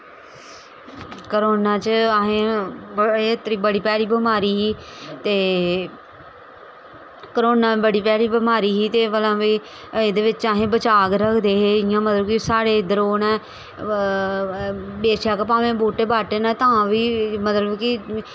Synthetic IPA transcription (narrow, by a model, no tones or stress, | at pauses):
kəɾoːnaːt͡ʃəaɦẽː | et̪ɾiːbəɽiːpɛːɽiːbəmaːɾiːɦiː | t̪eː | kəɾoːnaːbəɽiːpɛːɽiːbəmaːɾiːɦiːt̪eːʋəlãːʋiː | ed̪eːʋɪt͡ʃaːɦẽːbət͡ʃaːkɾəkʰd̪eːɦeːɪãːmət̪ləbkɪsaːɽeːd̪əɾoːnɛː | beːʃaːkəpaːʋẽːboːʈeːbaːʈeːnãːt̪ãːʋiːmət̪ləbkɪ